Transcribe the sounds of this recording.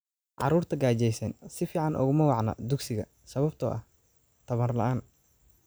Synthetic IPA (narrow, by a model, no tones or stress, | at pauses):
ʕɑ̰ruːrt̪ʰɐɡaːt͡ʃɛjsɛːnsɪfiːʕɑnʔɔ̰ɣʊmɐwɑʕnɐ̰d̪uɡsɪɣɐ̰ | sɐβɐbt̪ʰɔʔɐh | t̪ʰɐβɐrlɐ̰ʔaːn